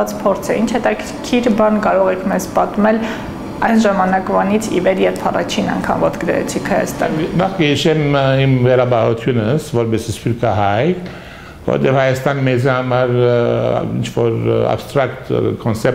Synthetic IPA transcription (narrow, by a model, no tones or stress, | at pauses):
ɑt͡spʰɔɾt͡sʰɛint͡ʃʰhɛt̪ɑkʰɾkʲʰiɾbɑnkɑɾɔʁɛkʰmɛzpɑt̪mɛl | ɑjnʒɑmɑnɑkvɑnit͡sʰḭvɛɾjɛɾpʰɑrɑ̰t͡ʃʰinɑ̰ŋkʰɑ̰mvɔt̪ɡəd̪ɛ̰ɾɛ̰t͡sʰikʰhɑjɑ̰st̪ɑ̰nnɑχkəhiʃɛmimvɛɾɑbɑʁut̪ʰjunəsvɔɾbɛsispuɾkɑɦɑjt̪ | vɔ̰hɛ̰t̪ɛvhɑjɑst̪ɑnimɛd͡zihɑmɑɾ | ḭnt͡ʃʰvɔɾɑ̰bst̪ɾɑk̚t̪kʰɔnsɛp